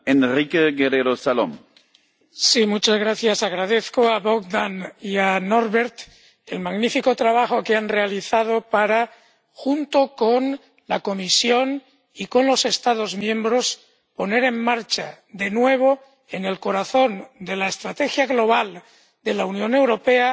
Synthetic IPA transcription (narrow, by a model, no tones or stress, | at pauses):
enrikeɣeɾeɾosalo̰m | simut͡ʃazɣɾaθjasaɣ̞ɾað̞e̞θkoaβokd̪anianoɾβeɾt̪ | e̞lmaɣnifiko̞t̪ɾaβ̞axokeanre̞aliθað̞o̞paɾa | xunt̪o̞kon | lako̞misjo̞n | iko̞nlo̞se̞st̪aðo̞zmjẽ̞mbɾo̞s | po̞ne̞ɾe̞mmaɾt͡ʃa | ðe̞nwe̞β̞o̞ | ene̞lko̞ɾaθo̞nd̪e̞laest̪ɾat̪exjaɣlo̞β̞al | d̪e̞launjõ̞ne̞wɾo̞pe̞a